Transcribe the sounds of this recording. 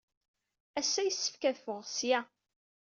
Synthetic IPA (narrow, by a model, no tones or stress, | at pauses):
æsːæjəsːə̥fkæðfʊʁsjæ